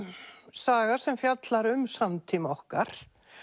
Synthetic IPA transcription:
saːɣḁsɛmfjat̪laɾʏmsamt̪ʰiːmɔhkaɾ̥

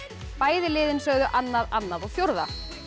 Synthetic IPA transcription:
paːjðɪlɪːðɪnsœɣðʏʔanːaðanːaðɔɣfjoɾða

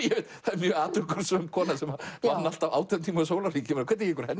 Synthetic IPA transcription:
jɛvɪt̪θaðɛɾmjœːaːt̪ʏkʏɾ̥svœmkʰɔːnasɛmavanːal̥t̪avaːwt̪ɛmt̪ʰiːmaʏsoːwlariːcɪɛnakʰvɛt̪ːjɛkʏɾ̥hɛnː

